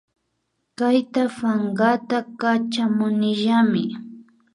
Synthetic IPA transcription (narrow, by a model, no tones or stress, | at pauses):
kajt̪afaŋɢat̪akat͡ʃamʊnɪʒamɪ